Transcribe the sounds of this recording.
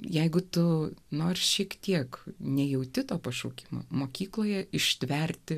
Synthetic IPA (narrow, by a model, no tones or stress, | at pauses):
jɛɪɡʊt̪ʊnoːrʲsʃʲiɛkt̪ʲiɛknʲɛjɛʊt̪ʲɪt̪oːpɐʃuːkʲɪmo̰moːkʲiːklˠoːjɛɪʃʲt̪ʲʋʲɛrʲt̪ʲɪ